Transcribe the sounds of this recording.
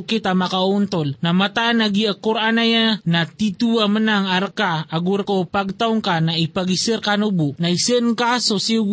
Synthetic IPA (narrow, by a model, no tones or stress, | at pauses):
kit̪amakaunt̪olnamat̪anaɡiəkuɾʔanajanat̪it̪uamənaŋarkaːɡʊɾkopaɡ̚t̪auŋkanaipaɡisərkanubuʔnaisənkasosi